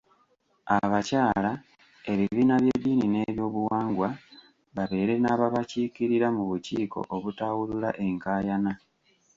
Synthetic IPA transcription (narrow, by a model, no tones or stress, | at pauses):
aβacaːla | e̞βiβiːnaβje̞dːiːnine̞βjo̞ːβuwaːŋɡwa | βaβe̞ːɾe̞naːβaβacikiɾiɾamuβuciːko̞̰ʔoβutawululaʔe̞ŋkaːjana